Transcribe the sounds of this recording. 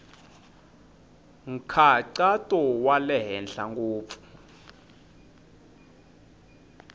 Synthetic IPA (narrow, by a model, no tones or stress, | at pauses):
ŋ̩kʰaǀatʼɔwalɛɦɛnɬaŋɡuːp̪fu̥